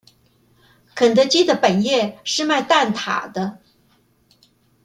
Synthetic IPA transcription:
kʰə˨˩nd̪ə˧t͡ɕi˥d̪ə˨pə˨˩njɛ˥˧ʂɻ̩˥˧ma˥˧ɪt̪a˥˩nt̪ʰa̰˨˩d̪ə˦

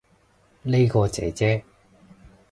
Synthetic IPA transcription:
le˥kɔː˧t͡sɛ̰ː˨˥t͡sɛː˥

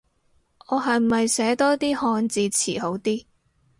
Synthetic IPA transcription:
ɔː˨˧ɦɐ˨jm̩˨˩ɐ˨jsɛː˨˥t̪ɔː˥t̪iː˥hɔː˧nt͡siː˧t͡sʰḭː˨˩ho˨˥wt̪iː˥

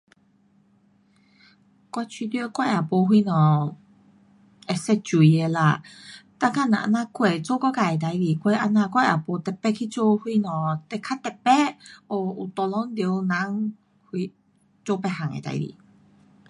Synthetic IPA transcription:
kwa˧t͡ɕʰi˧t̪i˧˦˧kwa˧ja˨˩pɔ˧ɦwi˧nɔ̃˨˩ | ɛ˨˩sɛ˧t͡ɕu˨˧e˧la̰˧˩t̪a˥˧ka˥˧˨nã̰˨ʔa̰˧˥nã˧kwe˨˩t͡so˥˦kɔ˥˦ka˧˩˨e˨˩t̪a˨˧˦jli˨˩kwe˧ʔa˧˥nã˧kwa˥˧jʔa̰˨˩pɔ˧˦t̪ɛ˨˩pːɛ˥kʰi˦˧t͡so˥˧hwi˧nɔ̃˨t̪ɛ˧˩kʰa˦˥t̪ɛ˨˩pːɛ˦ɔ˧˩u˨˩t̪ɔ˧lɔ˧˦ŋd̪jwnã˨˦ŋ | hwi˧ | t͡so˥˧˦pɛ˧˩ha˨˩ŋḛ˨t̪a̰˧˦jlḭ˨˩

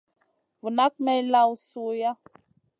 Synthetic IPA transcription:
vu˨na˦k̚mɛ˦jla˦wsu˦ja˦

